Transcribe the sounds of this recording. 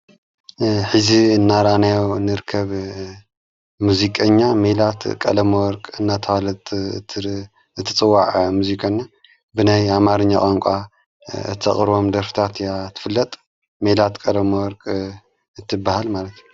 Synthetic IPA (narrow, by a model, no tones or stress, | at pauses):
ħɨziɨnːaɾanajonɨɾkʰːɐβ | muzikʼɐɲːamelat̪kʼɐ̰lɐmɐwɔɾkʼɨnːat̪ʰɐwalɐt̪ʰ | ɨt̪ʰːɨt͡sʼɨwːaʕmuzikʰʼanːa | bɨnajamaɾɨɲːakʼaŋkʷʼa | ɨ̰t̪ʰːɐχʼɨɾβo̞md̪ɐɾfɨ̥t̪ʰat̪jat̪ʰːɨ̥fɨlːɐt̪ʼ | melat̪kʼɐlɐmɐwɔɾkʼ | ɨt̪ʰːɨbːahalmalɐt̪j